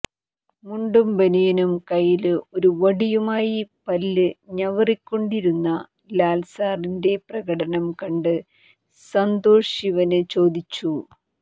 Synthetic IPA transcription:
muɳɖumbɐnijɐnumkɐjilo̞ɾuʋɐɽijumaːjipɐlːɨɲɐʋɐrikʲːo̞ɳɖiɾunːɐ | laːlsaːrinde̞prɐɣɐɽɐnɐmkɐɳɖɨ | sɐnd̪o̞ːʂiʋɐnɨt͡ɕo̞ːd̪it͡ɕːu

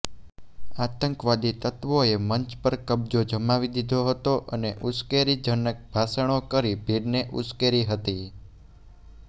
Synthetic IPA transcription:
at̪əŋkʋad̪it̪ət̪ʋoeməɲt͡ʃpəɾkəb̚d͡ʒod͡ʒəmaʋid̪id̪ʱoɦət̪oʔəneʔuskeɾid͡ʒənək̚bʱasəɽ̃okəɾibʱiɾneʔṵskeɾiɦət̪i

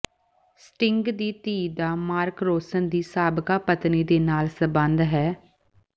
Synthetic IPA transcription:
sʈɪŋɡd̪iːt̪iːd̪aːmaːɾkɾoːsənd̪iːsaːbkaːpət̪niːd̪eːnaːlsəbənd̪ɦɛː

